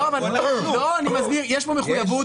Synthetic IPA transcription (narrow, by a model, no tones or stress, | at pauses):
oavalaauloanimazmiʁjɛʃpomeχujavu